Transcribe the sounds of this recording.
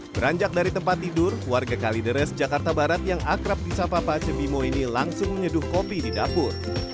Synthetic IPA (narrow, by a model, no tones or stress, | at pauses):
b̥əɾaɲd͡ʒak̚daɾit̪əmpat̪ːidʊrwarɡakalidəɾɛsd͡ʒakart̪abaɾat̪jaŋakɾap̚disapapat͡ʃəbimoinilaŋsʊŋməɲədʊhkopididapʊr